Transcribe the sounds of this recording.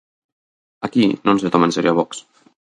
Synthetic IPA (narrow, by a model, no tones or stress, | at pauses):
akinonset̪ɔmenseɾiaβɔks